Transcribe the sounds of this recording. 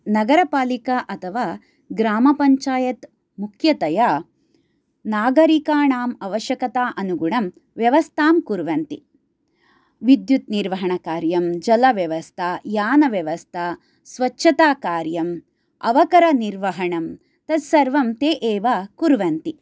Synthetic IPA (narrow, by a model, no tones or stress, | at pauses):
nɐɡɐɾɐpaːlikaʔɐt̪ʰɐʋaː | ɡɾaːmɐpɐɲt͡ʃaːjɐt̪ | mukʰjɐt̪ɐjaː | naːɡɐɾikaːɳaːmɐʋɐʃjɐkɐt̪aːʔɐnuɡuɳɐm | ʋjɐʋɐst̪ʰaːmkuɾʋɐnt̪i | ʋid̪jut̪niɾʋɐɦɐɳɐkaːɾjɐmd͡ʒɐlɐʋjɐʋɐst̪ʰajaːnɐʋjɐʋɐst̪ʰɐ | sʋɐʃʰɐt̪aːkaːɾjɐm | ɐ̰ʋɐkɐɾɐniɾʋɐɦɐɳɐm | t̪ɐd̪sɐɾʋɐmt̪eːʔeːʋɐkuɾʋɐnt̪i